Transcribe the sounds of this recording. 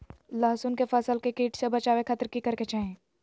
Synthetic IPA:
laːsunkefəsəlkekiːʈsebɐt͡ʃaːwekʰət̪ɾkikɐɾket͡ʃaːɦẽː

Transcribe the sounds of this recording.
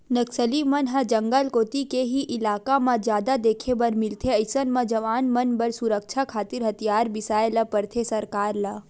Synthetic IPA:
nəksəlimənɦɐd͡ʒəŋɡəlkoːt̪ikeɦiʔɪlaːkamãd͡ʒjaːd̪ad̪eːkʰebɐɾmɪlt̪ʰeəɪsənmãd͡ʒɐʋaːnmənbəɾsuɾək̚t͡ʃʰakʰaːt̪ɪɾɦət̪ʰijaːɾbɪsaːelɐpəɾt̪ʰesɐɾkaːɾla

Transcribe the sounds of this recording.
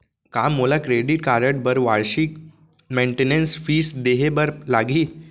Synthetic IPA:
kamːolakɾeɖiʈ̚kaɾəʈ̚bəɾʋaɭɕik | meɳʈenensfiːsd̪eɦebəɾlaɡiː

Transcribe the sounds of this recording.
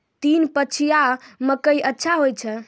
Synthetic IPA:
t̪inpət͡ʃʰijaməkəjʔətːʃʰaɦojt͡ʃʰɛ

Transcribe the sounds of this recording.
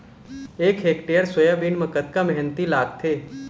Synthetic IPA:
eːkɦeːkʈejəɾswəjabiːnməkət̪̚kamɛɦɛnt̪ilaːɡ̚t̪ʰeː

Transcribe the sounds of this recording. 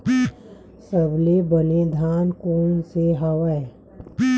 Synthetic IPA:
səblebənẽd̪ʱaːnkoːnseɦəʋə

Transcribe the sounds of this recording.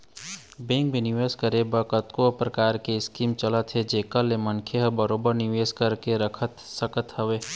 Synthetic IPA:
bẽŋkbiniʋeskəɾebəkət̪kopɾəkaɾkeɪskimt͡ʃələt̪ɦed͡ʒekəlːemənkʰeɦbəɾobəɾniʋeskəɾkeɾəkʰət̪səkət̪ɦəʋe

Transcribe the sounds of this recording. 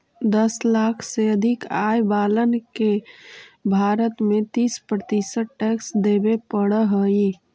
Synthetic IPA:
d̪əslakʰseəd̪ʱɪkajbaːlənke | bʱaɾət̪mẽt̪ispɾət̪isəʈʈɛksd̪ebepəɽəɦəi

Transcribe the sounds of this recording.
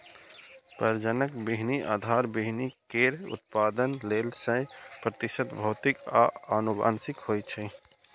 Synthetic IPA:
pəɾd͡ʒənəkbiɦniʔa̰ːd̪ʱaɾbiɦnikeɾṵt̪̚paːd̪ənlelsə̃pɾət̪iʃət̪bʱəʊt̪ika̰ənuba̰ːnsɪkɦojt͡ʃʰɛ

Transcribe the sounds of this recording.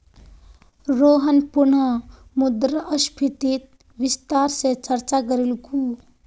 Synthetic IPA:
ɾoːɦənpuɳəmud̪ɾəʔəspʰit̪it̪̚ | ʋist̪aɾset͡ʃəɾt͡ʃakəɾilku

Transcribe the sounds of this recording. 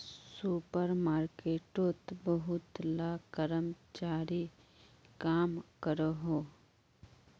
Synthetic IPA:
suːpəɾmaːɾkeːʈot̪bəɦʊt̪laːkəɾəmt͡ʃaːɾi | kaːmkəɾəɦoː

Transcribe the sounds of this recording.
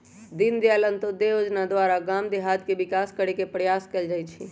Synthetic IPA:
d̪ind̪jalənt̪od̪ejod͡ʒnad̪waɾaɡamd̪eɦad̪kebɪkaskəɾekepɾəjaskɛld͡ʒaːjt͡ʃʰi

